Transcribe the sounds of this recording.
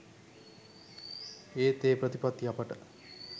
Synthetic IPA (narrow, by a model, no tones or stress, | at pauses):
eːt̪eːpɾət̪ipat̪ːiapəʈə